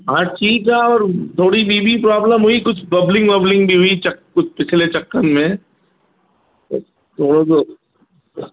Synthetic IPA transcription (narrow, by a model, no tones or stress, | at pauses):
ɦãt͡ʃiːkaɔːɾt̪ʰoːɽibiːbʱipɾaːbləmɦʊikʊt͡ʃʰbɐblɪ̃ŋɡbɐblɪ̃ŋɡbʱiɦʊit͡ʃɐkʊt͡ʃʰpɪt͡ʃʰlet͡ʃɐkːənmẽ | t̪o̰ | t̪ʰoːɽot̪o